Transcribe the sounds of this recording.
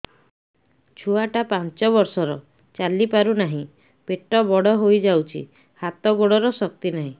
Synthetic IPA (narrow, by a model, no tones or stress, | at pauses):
t͡ʃʰuaʈapãnt͡ʃɔβɔɾsɔɾɔ | t͡ʃalipaɾunaɦĩ | peʈːɔbɔɽɔɦojd͡ʒawt͡ʃʰḭ | hat̪ɔɡoɽɔɾɔsɔk̚t̪inaɦĩ